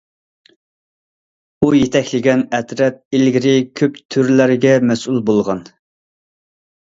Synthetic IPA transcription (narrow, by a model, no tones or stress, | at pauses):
ujet̪ʰɛkʲlɪɡʲɛnɛt̪ɾɛt̪̚ilɡʲiɾɪkʲʰøpt̪ʰyɾlæɾɡʲɛmɛsulˠbolˠʁɑn